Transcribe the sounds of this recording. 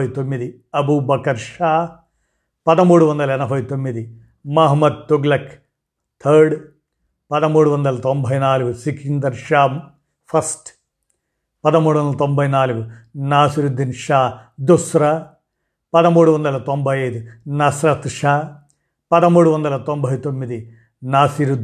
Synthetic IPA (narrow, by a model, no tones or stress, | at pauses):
ɐjt̪omːid̪i | ɐbuːbɐkɐɾʃaː | pɐd̪ɐmuːɽuʋɐnd̪ɐlɐɛnɐbʱɐjt̪omːid̪i | mɐɦɐmɐd̪̚t̪uɡlɐk | t̪ʰɐɾɖ | pɐd̪ɐmuːɽuʋond̪ɐlɐt̪ombʱɐjnaːluɡusikind̪ɐɾʃaː | pʰɐsʈ | pɐd̪ɐmuːɽuond̪ɐlɐt̪ombʱɐjnaːluɡunaːsiɾud̪inʃaːd̪usɾɐ | pɐd̪ɐmuːɽuʋond̪ɐlɐt̪ombʱɐjɐjd̪unɐsɾɐt̪ʃaː | pɐd̪ɐmuːɽuʋɐnd̪ɐlɐt̪ombʱɐjt̪omːid̪i | naːsiɾud̪